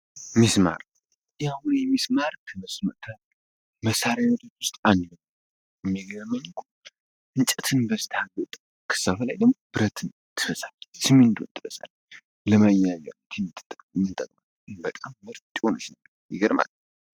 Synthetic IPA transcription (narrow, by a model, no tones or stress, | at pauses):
misma̰ɾ | jawnjɛmismaɾkʰəməsmət̪ʰə | məsaɾajat̪ʰot͡ʃːwʊst̪ʼanlɨɡ | mːiɡəəmːəɲkʰu | ɨnt͡ʃʼət̪ʰɨnbəst̪ʰaɡət̪ʼ | kʰɨ̥sːaflajd̪əɡmobɨɾət̪ʰɨn | t̪ʰɨfəsʼalsɨmːind̪unt̪ʰɨfəsʼa̰l | ləmajaza̰lːot̪ʰɛmʼmɨnt̪ʼəkʼmalbət̪ʼamːɨɾt̪ʼionɨt͡ʃnə | jɛ̰ɡəɾma̰l